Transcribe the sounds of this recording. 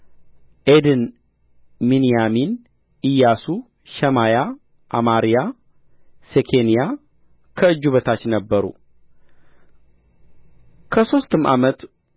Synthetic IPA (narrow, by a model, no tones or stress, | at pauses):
ʔed̪ɨn | minijamin | ʔijasu | ʃɛmaja | ʔa̰maɾija | sekʰenija | kʰəɨd͡ʒːuβət̪ʰat͡ʃːnəbːəɾṵ | kʰəso̞st̪ɨmʔa̰mət̪